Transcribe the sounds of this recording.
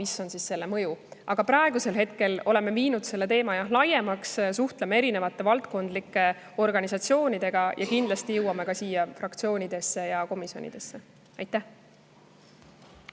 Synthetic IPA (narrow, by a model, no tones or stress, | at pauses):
miso̞nsisːe̞lːemɤjuʔɑɡ̥ɑpɾɑeɡuse̞lɦe̞t̪ke̞lo̞leme̞viːnud̪se̞lːe̞t̪e̞ːmɑjɑlɑje̞mɑkssuht̪lemeeɾine̞vɑt̪ˑːe̞vɑlt̪̚ko̞nd̪̥likːe̞ | o̞rɡ̥ɑnisɑt̪sio̞ːnʲid̪̥e̞ɡ̥ɑjʔɑ̰kind̪lɑst̪ijɤwːɑmekɑsiːjɑfrɑkt̪sio̞ːnid̪̥e̞sːe̞jɑko̞misjo̞̰nḭd̪̥e̞sːe̞ | ɑjt̪ːˑæh